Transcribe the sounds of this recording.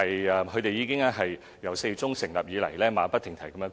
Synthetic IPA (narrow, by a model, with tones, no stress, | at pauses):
ɐ˨jɛ˧kʰɵ˧ɥt̪e˨jiː˨˧kɪ˥ŋaː˥ɦɐ˨j | jɐ˨˩wse˧jt͡sʊ˥ŋsɪ˨˩ŋlɐ̰˨p̚jiː˨˧lɐ̰˨˩jlɛː˥maː˨˧pɐ˥t̪ʰːɪ˨˩ŋt̪ʰɐ˨˩jkɐ˧mjœː˧˥